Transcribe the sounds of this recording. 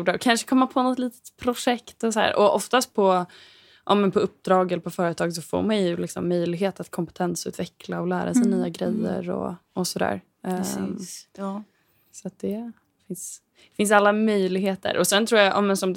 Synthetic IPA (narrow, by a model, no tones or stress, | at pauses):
ɖaɔkʰanʂə̥kʰɔmːapʰɔnɔt̪liːt̪ə̥t̪pʰɾʊʂɛkt̪ɔsɔæ̰ːɾʔɔʔɔft̪ast̪̚pʰɔ | ʔɑ̰ːmɛnpʰɔɵp̚ːd̪ɾɑːɡɛlːəpʰɔfœːɾət̪ʰɑːɡs̬ɔfo̰ːɾmanjɵlɪksɔmːœjlɪɡɦeːt̪at̪kʰɔmpɛ̥t̪ʰɛnsʉ̟ːt̪vɛkʰlaɔlæːɾasɛjnyːaɡɾɛjːə̰ɾɔ̰ʔɔsɔd̪æ̰ːɾ | sat̪̚d̪ɛ | fɪns | fɪns̬alːamœjlɪɡɦeːt̪ʰə̰ɾʔɔsɛnt̪ʰɾuːɾjaʔa̰ːmɛnsɔmd̪